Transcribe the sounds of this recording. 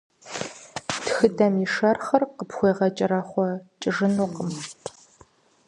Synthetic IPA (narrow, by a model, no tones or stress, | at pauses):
txɨdɐmiʂɐrχɐrqəpxʷeːʁɐt͡ʃʼɪɾɐχʷɔt͡ʃʼɪʐɨnuːqəm